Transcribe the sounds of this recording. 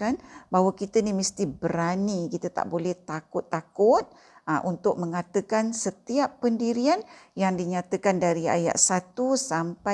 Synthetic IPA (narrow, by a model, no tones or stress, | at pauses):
anbaɦwakit̪ənimist̪ibəɾanikit̪ət̪a̰ʔbolɛht̪akʊt̪ːakʊt̪̚ | aʔunt̪ʊk̚məŋat̪əkansət̪iapːəndiɾianjaŋdiɲat̪əkandaɾia̰ja̰ʔsat̪usampa